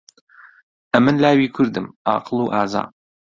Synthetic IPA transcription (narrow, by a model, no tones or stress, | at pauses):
ʔɐmɨnlaːwiːkʰʊɾd̪ɨmʔɑ̰ːqʰɨlˠuːʔaːza̰ːm